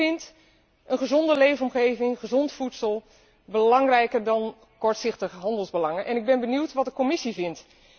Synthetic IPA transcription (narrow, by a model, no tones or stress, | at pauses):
ɪnt | ʔənχəzɔndəlejvəɔmχejvɪŋχəzɔntfutsəlˠ | bəlɑŋrɛjkəɹdɑn | kɔɹtsɪχtəχəɦɑndəlˠzbəlɑŋənʔɛnɪɡ̚bɛnbəniwtʋɑt̚dəkomɪsivɪnt